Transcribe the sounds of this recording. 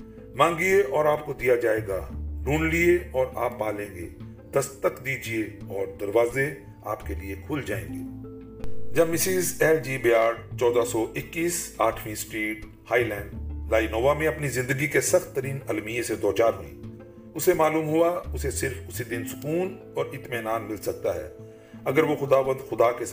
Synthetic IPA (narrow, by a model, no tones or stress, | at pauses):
mãːŋɡieʔɔːɾaːp̚kod̪ijad͡ʒaːeːɡaɾuːnlieɔːɾa̰ːpːaːlẽːŋɡḛː | d̪̥ɐst̪əkd̪iːd͡ʒieɔːɾd̪ɐɾʋaːze | a̰ːpkeliekʰʊld͡ʒa̰ːḛ̃ːŋɡeː | d͡ʒɐbmɪsiːzɛːld͡ʒiːbijaːɾt͡ʃɔːd̪asɔʔɪkːiːsaːʈʰʋĩsʈɾiːʈ | haːilɛ̃ːɳɖlaːinoːʋamẽɐpnizɪ̃nd̪əɡikesɐxt̪ːəɾiːnɐlmijẽsed̪oːt͡ʃaːɾɦʊḭ̃ | ʊsemaːluːmɦʊaʊsesɪɾfʊsid̪ɪnsʊkuːn | ɔːɾɪt̪meːnaːnmɪlsɐk̚t̪aɦɛ̰ː | ɐɡəɾʋoxʊd̪aːʋə̃nd̪xʊd̪akes